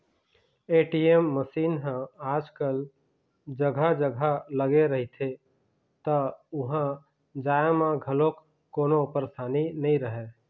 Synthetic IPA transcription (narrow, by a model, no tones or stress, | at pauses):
eːʈiemːəsiːnɦãaːd͡ʒkəl | d͡ʒəɡʱad͡ʒəɡʱaləɡeɾəɦit̪ʰe | t̪əʊɦã | d͡ʒaːmãɡʱəlok | kːoːnopəɾst̪ʰaːninəĩɾəɦeː